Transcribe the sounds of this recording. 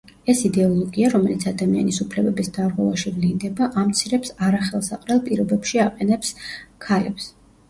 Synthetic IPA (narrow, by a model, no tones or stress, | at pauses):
ɛsid̪ɛɔlˠɔɡiaɾɔmɛlit̪sʰad̪amia̰nisupʰlɛbɛbisd̪aɾʁwɛvaʃivlind̪ɛbaʔamt̪sʰiɾɛpsaɾaχɛlˠsaqʼɾɛlˠpʼiɾɔbɛpʃiaqʼɛnɛpskʰalɛps